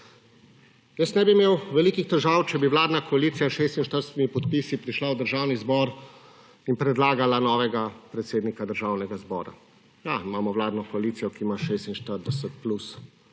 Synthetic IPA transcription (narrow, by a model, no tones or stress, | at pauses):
jəsnɛbimewʋɛliːkixt̪ɛʒawt͡ʃɛbiwlaːd̪nakɔaliːt̪sijaʃeːst̪inʃt̪əɾd̪ɛst̪imipɔt̪pisipɾiʃlawd̪əɾʒaːwnizbɔɾ | inpɾɛd̪laːɡalanɔːʋɛɡapɾɛt̪seːd̪nikad̪əɾʒaːwnɛɡazbɔ̰ːɾa̰ | jaimaːmɔʋwlaːd̪nɔkɔalit̪sijɔkimaʃeːst̪inʃt̪əɾd̪ɛsət̪̚plus